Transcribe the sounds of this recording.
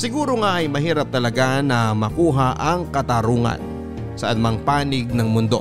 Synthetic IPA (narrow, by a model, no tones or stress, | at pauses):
sɪɡuːɾoŋaʔɐjmɐɦiːɾɐp̚t̪ɐlɐɡanɐmɐkuːɦaʔɐŋkɐt̪aɾuːŋɐ̰n | sɐʔɐnmaŋpaːnɪɡ̚nɐŋmʊnd̪o̞̰